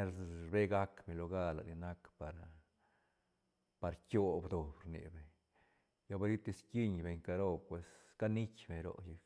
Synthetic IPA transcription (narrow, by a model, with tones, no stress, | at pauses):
e˦ɾɾbe˦ɡa˦kbe˨lo˧ɡa˦la̰˨ni˧na˦kpa˨ɾ | pa˧ɾt͡ʃʲo˦bd̪o˨bɾnḭ˨be˨ɲ | ja˧ba˧˦ɾi˦t̪i˧ski˦ɲbe˨ɲka˧ɾo˦pwe˨s | ka˦ni˦t͡ʃʲbe˨ɾo̰˦ji˧k